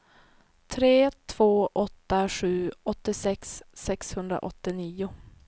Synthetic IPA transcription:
t̪ʰɾeːt̪ʰv̥oːʔɔt̪ːaɧʉ̟ːɔt̪ːɪsɛksːɛkshɵnd̪ɾa̰ʔɔt̪ːɪniːʊ

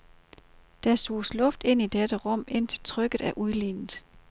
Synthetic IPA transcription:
d̥æso̝̰ːslɔ̽fd̥e̝n̰id̥ed̥əʁɔ̽m̰e̝n̰t͡sʰe̝̥lt͡sʰʁœɡ̥ð̩ˠæɐʔuðˠlḭːnð̩ˠ

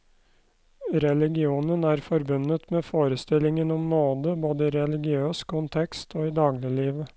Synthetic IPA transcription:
ɾɛlɪɡɪuːnənæːɾfɔɾbʉnət̪meːfoːɾəst̪ɪlɪŋənɔmnoːd̪əboːd̪əiːɾɛlɪɡɪøːskʰʊnt̪ʰɛkst̪ʰoːiːd̪ɑːɡlɪliːʋə

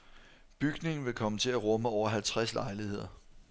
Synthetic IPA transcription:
b̥yɡ̥ne̝ŋn̩ʋe̝kʰɒ̽mət͡sʰe̝læʁɔ̽məɒʊ̰ɐɦælt͡sʰʁaslɑ̈ɪlihe̝ð̞̰ˠɐ

